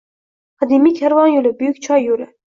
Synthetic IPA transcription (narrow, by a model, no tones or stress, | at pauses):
qʰɑd̪imikʲʰæɾvɑnjolɪbyjykʲt͡ʃʰɑjːolɪ